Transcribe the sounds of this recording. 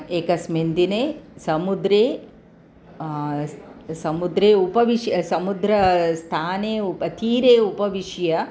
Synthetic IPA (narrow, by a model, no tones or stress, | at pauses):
eːkɐsmend̪ineːsɐmud̪ɾeː | sɐmud̪ɾeːupɐʋiʂjɐsɐmud̪ɾɐst̪ʰaːneːupɐt̪ʰiːɾeːupɐʋiʂjɐ